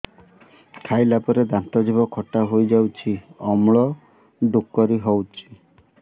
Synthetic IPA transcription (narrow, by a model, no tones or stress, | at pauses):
kʰajlapɔɾed̪ant̪ɔd͡ʒibɔkʰɔʈaɦojd͡ʒawt͡ʃʰiɔmɭɔ | ɖukːɔɾiɦɔwt͡ʃʰi̥